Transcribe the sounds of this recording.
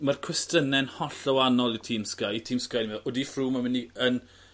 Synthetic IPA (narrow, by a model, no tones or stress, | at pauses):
markʰwɛstənɛnhɔɬəwanɔlˠitʰiːmskajitʰiːmskajnimɛðʔɔdifruːmamɪniən